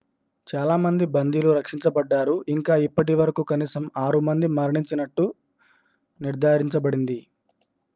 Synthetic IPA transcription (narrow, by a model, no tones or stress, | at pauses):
t͡ʃaːlaːmɐnd̪ibɐnd̪iluɾɐkʂiɲt͡ʃɐbɐɖːaːɾuʔiŋkaːipːɐʈ̬iʋɐɾɐkukɐniːsɐmaːɾumɐnd̪imɐɾɳiɲt͡ʃinɐʈːu | niɾd̪ʱaːɾiɲt͡ʃɐbɐɽind̪i